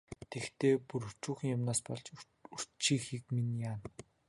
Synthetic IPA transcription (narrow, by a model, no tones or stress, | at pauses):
t̪ʰekt̪ʰeːpuɾɵt͡ɕuːxĭŋjʊmnaːspɔɮt͡ɕ | ur̥t͡ɕʰiːxiːkminjaːn